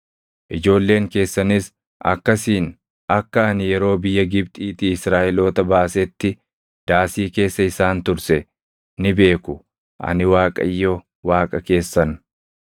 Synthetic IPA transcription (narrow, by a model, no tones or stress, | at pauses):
ʔɪd͡ʒo̞ːlːe̞ːŋke̞ːsːɐnɪs | ʔɐ̰kːɐsiːn | ɐkːɐɐnɪjɛɾo̞ːbɪjːɐɡɪbt̪ʼiːt̪iːɪsɾaːʔɪlo̞ːt̪ɐbaːsɛt̪ːɪ | d̪̥aːsiːke̞ːsːɐɪsaːnt̪ʊɾsɛ | nɪbe̞ːkʊ | ʔɐ̰nɪwaːkʼɐ̰jːo | waːkʼɐke̞ːsːɐn